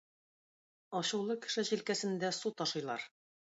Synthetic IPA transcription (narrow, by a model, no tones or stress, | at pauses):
ɒɕɤ̆wlˠɤkɘ̥̆ʃɘʑilkæsɘ̆nd̪æsut̪ɒʃɤ̆jlˠɑɾ